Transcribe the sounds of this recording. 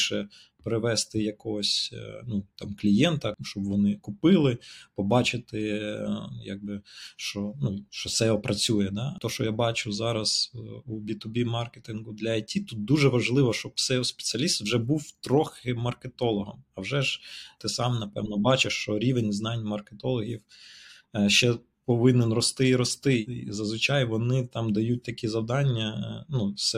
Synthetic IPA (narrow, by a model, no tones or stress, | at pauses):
ʃɛ | pɾɪʋɛst̪ɪjɐkɔɦɔsʲnut̪ɑmklʲijɛnt̪ɐʃt͡ʃɔbʋɔnɪkʊpɪlˠɪpɔbɑt͡ʃɪt̪ɪ | ja̰ɡ̚bɪʃt͡ʃɔnuʃt͡ʃɔsɛɔpɾɐt͡sʲujɛd̪ɑt̪ɔʃt͡ʃɔjabɑt͡ʃʊzɑɾɐz̥ubʲit̪ʊbʲimɑrket̪ʲɪnɡʊd̪lʲɐɐtʲit̪ut̪̚d̪uʒɛʋɐʒlˠɪʋɔʃt͡ʃɔbsɛɔspe̥t͡sʲɪɐlʲist̪wʒɛbuwt̪ɾɔxɪmɐrket̪ɔlˠɔɦɔmɐwʒɛʒt̪ɪsɑmnɐpɛ̰wnɔbɑt͡ʃeʃt͡ʃɔɾʲiʋenʲznɑnʲmɐrket̪ɔlˠɔɦʲiw | ʃt͡ʃɛ | pɔʋɪnenrɔst̪ɪiɾɔst̪ɪizɐzʋɪt͡ʃɑjʋɔnɪt̪ɑmd̪ɐjut̚ʲt̪ɐkʲizɐwd̪ɑnʲːɐnusɛ